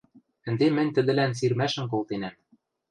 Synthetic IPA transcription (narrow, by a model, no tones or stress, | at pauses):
ɘ̆nd̪emɘ̆nʲt̪ɘ̆d̪ɘ̆lænsirmæʃɘ̆mkolˠt̪enæm